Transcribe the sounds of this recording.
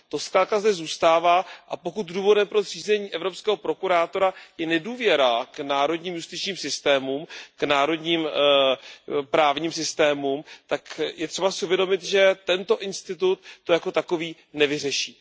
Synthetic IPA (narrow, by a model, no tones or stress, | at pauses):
t̪o̞skɾaːt̪̚kazdɛzuːst̪aːvaːʔapo̞kut̪duːvo̞dɛmpɾor̝̥iːzɛɲiːʔɛvɾo̞pskɛːɦo̞pɾo̞kuɾaːt̪oɾajɛnɛduːvjɛɾaknaːɾo̞dɲiːmjust̪ɪt͡ʃɲiːmsɪst̪ɛːmumknaːɾo̞dɲiːm | pɾaːvɲiːmsɪst̪ɛːmumt̪akjɛt̪r̥ɛbasɪuvjɛdo̞mɪt̪ʒɛt̪ɛnt̪o̞ʔɪnst̪ɪt̪ut̪ːo̞jako̞t̪ako̞viː | nɛvɪrɛʃiː